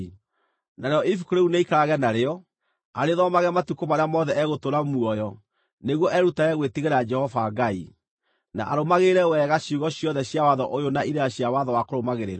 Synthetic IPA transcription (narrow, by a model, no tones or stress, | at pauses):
naɾeɔʔifu̥koɾeuneikaɾaɣɛnaɾeɔ | aɾeðɔmaɣɛmatukomaɾeamɔðɛɛɣotoɾamuɔjɔ | neɣwɔʔɛɾutaɛɣwetiɣeɾad͡ʒɛhɔvaɡai | na̰ʔaɾomaɣeɾɛwɛɣaɕiuɣɔɕjɔðɛɕjawaðɔʔojonaiɾeaɕjawaðɔwakoɾomaɣeɾeɾa